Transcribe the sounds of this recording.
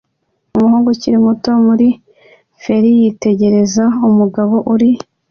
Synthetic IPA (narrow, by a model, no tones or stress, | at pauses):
umuhuːŋɡuciɾimuto̞muɾi | fe̞ɾijite̞ɟe̞ɾe̞zaumuɡaβo̞ʔuɾi